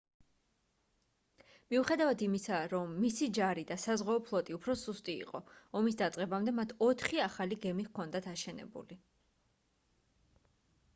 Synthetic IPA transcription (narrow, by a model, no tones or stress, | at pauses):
miuχɛd̪avad̪imisaɾɔmːisid͡ʒaɾid̪asazʁwaɔpʰlˠɔt̪ʼiupʰɾɔsust̪ʼḭːqʼɔɔmis̬d̪at̪sʼqʼɛbamd̪ɛmat̪ʰɔt̪ʰχiaχaliɡɛmikʰɔnd̪at̪ʰaʃɛnɛ̰bṵli